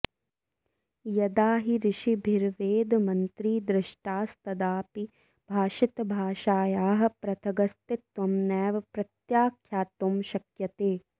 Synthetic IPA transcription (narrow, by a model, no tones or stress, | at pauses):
jɐd̪aːɦiɾɪʃibʱiɾʋeːd̪mɐnt̪ɾiːd̪ɾɪʃʈaːst̪ɐd̪aːpi | bʱaːʃɪt̪bʱaːʃaːjaːɦɐ̆pɾɐt̪ʰɐɡɐst̪ɪt̪ʋɐmnɛːʋɐpɾɐt̪jaːkʰjaːt̪omʃɐkjɐt̪eː